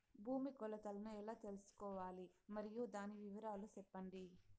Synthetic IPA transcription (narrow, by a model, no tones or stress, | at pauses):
bʱuːmikɔlɐt̪ɐlɐnuɛlaːt̪e̞lusu̥kɔːʋaːlimɐɾijud̪aːniʋiʋɐɾaːlusɛpːɐɳɖi